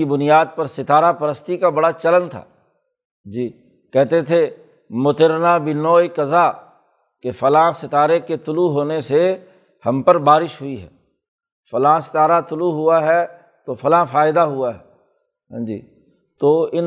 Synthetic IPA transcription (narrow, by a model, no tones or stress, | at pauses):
ibʊnɪjaːd̪̚pɐɾsɪt̪aːɾapɐɾəst̪ikabɐɽat͡ʃɐlə̃nd̪t̪ʰa̰ː | d͡ʒiː | kɛɦt̪et̪ʰe | mʊt̪ɪɾnaːbɪnɔːjkɐzaː | kefɐlãːsɪt̪aːɾeket̪ʊluɦoːnese | hɐmpəɾbaːɾɪʃɦʊiɦɛ̰ː | fɐlãːsɪ̥t̪aːɾat̪ʊluɦʊaɦɛ | t̪ofɐlãːfaːɪd̪aɦʊaɦɛ | ɦd͡ʒḭː | t̪oːɪn